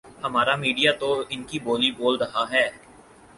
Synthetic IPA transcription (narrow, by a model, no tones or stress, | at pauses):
hɐmaːɾamiːɖijat̪oɪnkiboːliboːlɾɐɦaɦɛː